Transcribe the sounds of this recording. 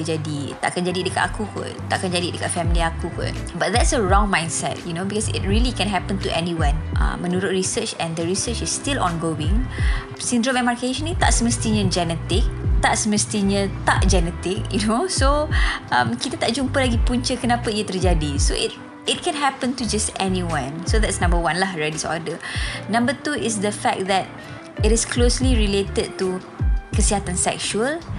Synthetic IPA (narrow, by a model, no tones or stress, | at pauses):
d͡ʒadit̪aʔakand͡ʒadidəka̰t̪akukʊ̰ | t̪aʔakand͡ʒadidəkat̚fɛmiliakukʊ̰bat̪̚d̪ɛtsəɹɔ̃ŋmãj̃nsɛ̰t̚junobikɔsɪ̰t̚ɹilikɛ̃nɦɛpə̃nt̪uʔɛniwãnʔã̰mə̃nuɾʊt̪̚ɹisət͡ʃɛ̃ndəɹisət͡ʃɪsːt̪ilɔ̰̃nɡowɪ̃ŋ | sindɾɔmɛmarkeʃə̃nĩt̪aʔsəməst̪iɲãd͡ʒɛnɛt̪ɪk̚t̪aʔsəməst̪iɲə̃t̪aʔd͡ʒɛnɛt̪ɪk̚junosoʔãmkit̪at̪aʔd͡ʒumpəlaɡipuɲt͡ʃəkənãpaijət̪ərd͡ʒadiso̰ʔɪt̚ | ɪt̚kɛ̃nɦɛpə̃ntud͡ʒastɛnĩwãnsod̪ɛtsnãmbəwãnlaɦɹɛdisoa̰dənãmbət̪uɪs̬d̪əfɛk̚d̪ɛt̚ | ɪɾɪskʰlosliɹilet̪əd̚t̪u | kəsiɦat̪ansɛ̰kʃuəl